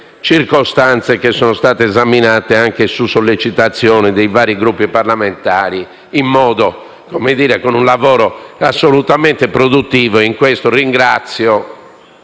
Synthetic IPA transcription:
t͡ʃiɾkɔst̪ant̪sekesːɔːnost̪aːt̪eːzaminaːt̪eaŋkesusolːet͡ʃit̪at̪sːjɔːnɛd̪ejvaːɾiɡɾupːiparlament̪aːɾi | imːɔːd̪o | komed̪iːɾɛkonunlavɔːɾɔasːolut̪amɛnt̪epɾod̪ut̪ːiːvoiŋkwest̪oriŋɡɾat̪sːjɔ

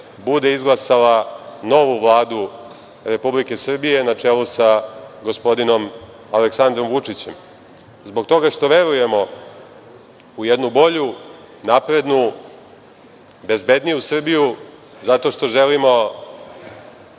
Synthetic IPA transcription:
bud̪e̞izɡlˠasalano̞ʋuʋlˠaːd̪u | ɾe̞publike̞sr̩bije̞nat͡ʂelusaɡo̞spo̞d̪ino̞m | aleksand̪ɾo̞mʋut͡ʂit͡ɕe̞m | zbo̞k̚t̪o̞ɡaʂt̪o̞ʋe̞ɾuje̞mo̞ | ujed̪nubo̞ʎu | napɾe̞d̪nu | be̞zbe̞d̪nijusr̩biju | zat̪o̞ʂt̪o̞ʒelimo̞

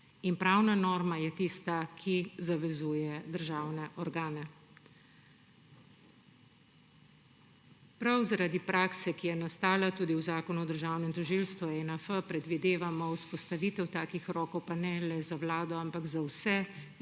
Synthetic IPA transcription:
inpɾawnanɔːɾmajɛt̪ist̪akʰizaʋɛzuːjɛd̪əɾʒawnɛʔɔɾɡaːnɛ | pɾawzaɾad̪ipɾʔaːksɛkijɛnast̪aːlat̪uːd̪iwzaːkɔnuɔd̪əɾʒaːwnɛmt̪ɔʒilst̪ʋuɛnəfəpɾɛd̪ʋid̪eːʋamɔwspɔst̪aʋiːt̪ɛwt̪aːkixɾɔːkɔwpanɛlɛzawlaːd̪ɔampaɡzawsɛ

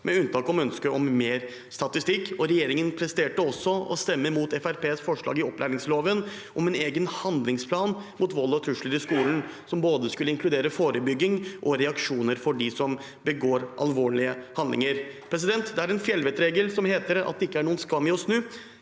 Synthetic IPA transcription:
mʔɛʉnt̪ʰɑːkɔmœnskəʔɔmmeːɾ | st̪ɑt̪ɪst̪ɪkːɔɾɛjeːɾɪŋənpʰɾɛst̪eːʈəɔsːɔɔ̰st̪ɛmːəɾmuːt̪ɛfæɾpeːsfɔʂɭɑ̰ːɡɪɔplʔæ̰ɾɪŋsloːʋən | ʔɔmɛneːɡənhɑnd̪lɪŋspʰlɑːnmut̪ʋɔlːɔt̪ʰɾʉʂləɾɪskuːln | sɔmboːd̪əskʉlːəɪŋkʰlʉd̪eːɾəfoːɾəbʏɡːɪŋʔɔɾɛɑkʂuːnəɾfɔɖɪsɔm | bəɡoːɾʔɑ̰lʋoːɭɪəhɑnd̪lɪ̰ŋəɾpʰɾɛs̬ɪd̪ɛnt̪d̪ɛæɾɛnfjɛlʋɛːt̪ɾeːɡəlsɔmheːt̪əɾɑ̰t̪̚d̪ɛɪkːəæɳuːənskɑmːɪɔsnʉː

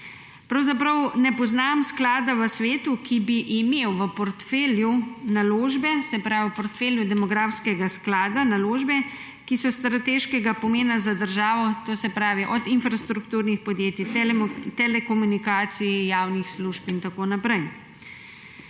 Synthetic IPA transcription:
pɾawzapɾɐwnɛpɔznamsklaːd̪aʋəsʋeːt̪ukʰibiʔimewʋəpɔɾt̪feːljunaloːʒbɛsɛpɾaːʋipɔɾt̪feːljud̪ɛmɔɡɾaːfskɛɡasklaːd̪analoːʒbɛ | kisɔst̪ɾat̪eːʃkɛɡapɔmeːnazad̪əɾʒaːʋɔt̪oːsɛpɾaːʋiʔɔd̪infɾast̪ɾukt̪uːɾnixpɔd̪jeːt̪it̪ɛt̪ɛlɛkɔmunikaːt̪siijaːwnixsluʒpint̪akoːnapɾɛj

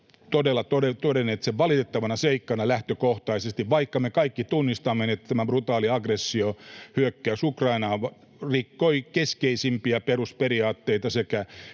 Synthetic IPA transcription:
t̪odelːɑt̪odet̪odenet̪seʋʋɑlit̪et̪ːɑʋɑnɑseikːɑnɑlæht̪økoht̪ɑisest̪iʋʋɑikːɑmekɑikːit̪unːist̪ɑmːenet̪t̪æmæbrut̪ɑːliɑɡresːiohyøkːæysukrɑinɑː | rikːoikeskeisimpiæperusperiɑːt̪ːeit̪ɑsekæ

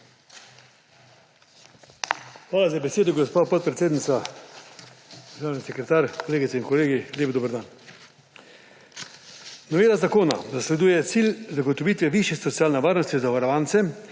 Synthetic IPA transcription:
xʋaːlazabɛseːd̪ɔɡɔspaːpɔt̪̚pɾɛt̪seːd̪nit̪sa | d̪ɾʒaːwnisɛkɾɛt̪aːɾkɔleːɡit̪ɛinkɔleːɡilʲjeːbd̪oːbəɾd̪aːn | nɔʋeːlazakoːna̰zaslɛd̪uːjɛt̪silʲzaɡɔt̪ɔʋiːt̪ʋɛʋiːʃjɛsɔtsiaːlnɛʋaːɾnɔst̪izaʋaɾɔʋaːnt̪sɛ

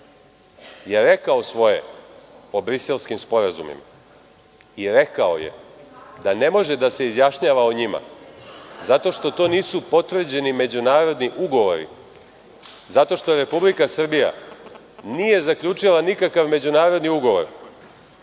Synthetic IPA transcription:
jeɾekaosʋo̞jḛ | obɾise̞lˠskimspo̞ɾazṵmḭma | iɾe̞kao̰jḛd̪ane̞mo̞ʒed̪ase̞izjaʃɲaːʋaoɲima̰ | zat̪o̞ʃt̪o̞t̪o̞niːsupo̞t̪ʋr̩d͡ʑe̞nime̞d͡ʑunaːɾo̞d̪niʔuɡo̞ʋo̞ɾḭ | zat̪o̞ʃt̪o̞ɾe̞publikasr̩bija̰ | nije̞zakʎʲut͡ʂilˠanikakaʋme̞d͡ʑunaːɾo̞d̪niuɡoʋo̞̰ɾ

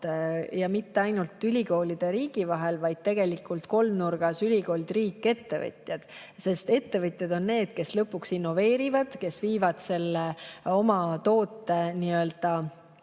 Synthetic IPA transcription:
jɑmit̪ːe̞ɑjnult̪ːˑylʲiko̞ːlid̪̥eɾiːɡ̥ivɑɦelvɑjd̪̥̚t̪e̞ɡ̥e̞likˑːult̪ko̞lmnurɡ̥ɑsylʲiko̞ːlid̪̥riːkːˑe̞t̪ːe̞vɤ̰t̪ʲˑjɑd̪̥se̞st̪e̞t̪ːe̞vɤt̪ʲjɑd̪o̞nne̞ːd̪̥ke̞slɤpːˑuksinːo̞ve̞ːɾivɑd̪̥ke̞sviːvɑd̪̥se̞lːeo̞mɑt̪o̞ːt̪ːˑe̞niøld̪̥ɑ

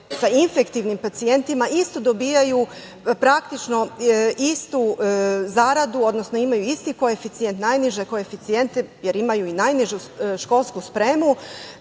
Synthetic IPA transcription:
sainfe̞kt̪iʋnimpat̪sie̞nt̪imaist̪od̪obiːjaju | pɾakt̪it͡ʃno̞ist̪uzaɾad̪uo̞d̪nosno̞imajuist̪iko̞e̞fit̪sije̞nt̪najniʒeko̞e̞fit̪sije̞nt̪eje̞ɾimajuinajniʒuʃko̞lˠskuspɾe̞ːmu

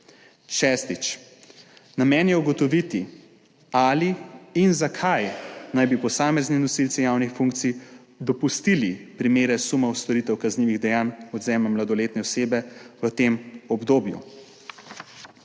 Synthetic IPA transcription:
ʃɛːst̪it͡ʃ | namɛnjɛuɡɔt̪ɔʋit̪i | aliːnzakʰajnajbipɔsaːmɛznɛnɔsilt̪sɛjawnixfuŋk̚t̪si | d̪ɔpust̪ilipɾimeːɾɛsumɔwst̪ɔɾit̪ɛwkazniːʋiɣd̪ɛjaːnɔd̪zɛːmɛmlad̪ɔleːt̪nɛɔseːbɛʋət̪eːmɔbd̪oːbjṵ

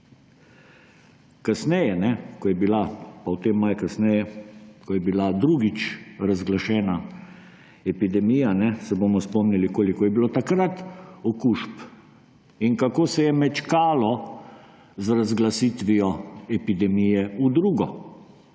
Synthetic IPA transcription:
kasnɛjɛnɛkɔjɛbilapawt̪emːajkasnɛjɛkɔjɛbilad̪ɾuɡit͡ʃɾazɡlaʃɛːna | ɛpid̪ɛmijanɛsɛbomɔspɔmnilikoːlikɔjɛbiloːt̪akɾat̪ɔkuːʃp | inkakoːsɛjɛmɛt͡ʃkaːlɔ | zɾazɡlasit̪ʋiɔɛpid̪ɛmijɛud̪ɾuːɡɔ

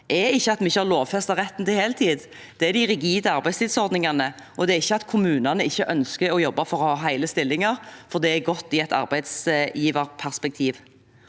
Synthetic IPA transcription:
ʔɛɪçːəɑt̪mɛɪçːəhɑɾloːʋfɛst̪ɑʁɛt̪ːən̩t̪ɪheːlt̪ʰiːd̪ | d̪̥ɛæɾd̪æɪɾɪɡiːd̪əɑɾbæɪst̪ʰɪld̪sɔɾd̪nɪŋɑnə | ʔɔd̪ɛæɪçːəɑt̪kʰʊmʉːnɑnəɪçːəʔœnskəɔjɔbːɑfɔɾɔhɑːɦæɪləst̪ɪlːɪŋɑʁfɔʁd̪ɛɛɡɔt̪ːɪɛt̪ɑ̰ɾbæɪd̪sjiːʋɑɾpʰæʁspɛk̚t̪ʰiːʋ

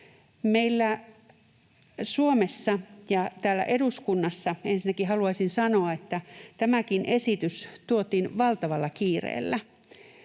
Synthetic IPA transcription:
meilːæ | suomesːɑjɑt̪æːlːæ̰ʔeduskunːɑsːɑensinːækihɑluɑisinsɑnoɑet̪ːæt̪æmækinʔesit̪yst̪uot̪iːnʋɑlt̪ɑʋɑlːɑkiːrḛːlːæ

